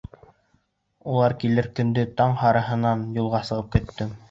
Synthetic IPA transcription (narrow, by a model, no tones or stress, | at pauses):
ulˠɑɾkilɘɾkɵ̆nd̪ɘt̪ɑɴhɑɾɤ̆ɦɤ̆nɑnjulˠʁɑsɤ̆ʁɤp̚kɘ̆t̪ːɘm